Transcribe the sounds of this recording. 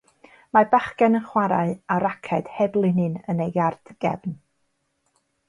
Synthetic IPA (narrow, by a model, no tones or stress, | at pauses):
mabaχkɛnənχwaɾa̰ɨaɾakʰɛd̥hɛblˠɪnɨnənejɡard̥ɡ̥ɛ̰bn